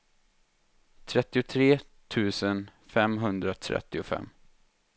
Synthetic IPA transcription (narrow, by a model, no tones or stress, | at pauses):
t̪ʰɾɛt̪ːɪʊt̪ʰɾeː | t̪ʰʉ̟ːsənfɛmɦɵnd̪ɾat̪ʰɾɛ̰t̪ːɪʊfɛ̰mː